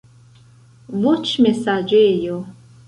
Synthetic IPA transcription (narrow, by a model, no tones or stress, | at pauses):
vɔt͡ʃʰmɛsad͡ʒejo